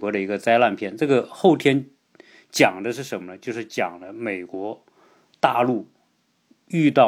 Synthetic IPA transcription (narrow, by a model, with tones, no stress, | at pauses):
kwɔ˧˥ɾə˧i˧˥ɡə˧t͡sa˥ɪla˥˧npʰjɛ˥˧nʈ͡ʂɤ˥˩ɡə˩xo˥˩ʊt̪ʰjɛ˥n | t͡ɕjɑ˨˩ŋd̪ə˦ʂɻ̩˥˩ʂə˧˥nmə˧nə˧t͡ɕjo˥˧ʊʂɻ̩˥˩t͡ɕjɑ̰˨˩ŋd̪ə˦me˨˩ɪkwɔ˧˥ | t̪a˥˧lu˥˩ | y˥˧t̪ɑ˥˩